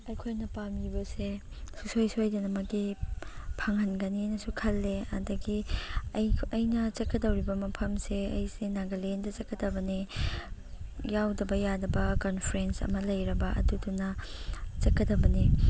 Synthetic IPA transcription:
ɐjkʰojnɐpamibɐse | su̥sojsojdɐnɐmɐki | pʰɐŋɐnɡɐninɐsukʰɐlːeɐ̰dɐɡijɐjnɐt͡ʃɐkɐdɐwɾibɐmɐpʰɐmseɐ̰jsenaɡɐlendɐt͡ʃɐkːɐdɐbɐni | jawdɐbɐjadɐbɐkonpʰɾensɐ̰mɐlɐjɾɐbɐʔɐ̰dudunɐt͡ʃɐkːɐdɐbɐni

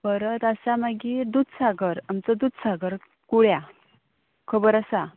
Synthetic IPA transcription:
bəɾət̪asamaɡiːɾd̪ud̪saɡəɾamt͡səd̪ut̪saɡəɾ | kuɽja | kʰəbəɾasa

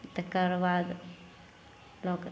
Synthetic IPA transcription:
t̪əkəɾʋad̪ | lok

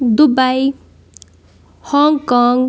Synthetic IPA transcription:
d̪ubaj | hɔŋɡkɔŋɡ

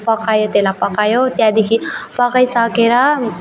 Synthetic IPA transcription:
pʌkajot̪elapʌkajot̪jãd̪ekʰipʌkajsʌkeɾʌ

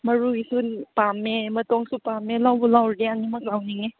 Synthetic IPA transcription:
mɐɹuisunpamːemɐtɔŋsupamelawbɔlawɾdeanimak̚lawniŋe

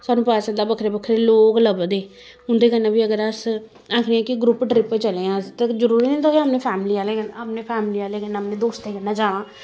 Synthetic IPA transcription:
saːnũːpaːsəd̪aːbəkʰɾeːbəkʰːɾeːloːkləbd̪eː | ʊnd̪eːkənːãːbiːəɡəɾəs | aːkʰniːãːkɪɡɾʊpɖɾɪpːet͡ʃəleːãːt̪ezəɾuːɾiːnĩt̪oːiəmnẽːpʰɛːmliːaːleːkənapnẽːpʰɛːmliːaːleːkənəpnẽːd̪oːst̪eːkənãːd͡ʒaːɽ̃ãː

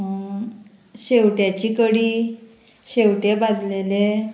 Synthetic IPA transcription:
ɕewʈjat͡ɕikəɽi | ɕewʈebad̪lele

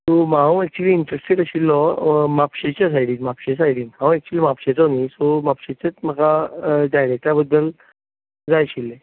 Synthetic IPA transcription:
sɔmaɦãwɛk̚t͡ɕuliːɳʈɾəsʈeʈəɕilːɔmapɕet͡ɕas̬ajɽiːnmapɕes̬ajɽiːnɦãw̃ɛk̚t͡ɕuliːmapɕet͡sɔnisɔmapɕet͡ɕat͡sm̤əkaɖajɾek̚ʈabəd̪ːəl | d͡zajɕilːe

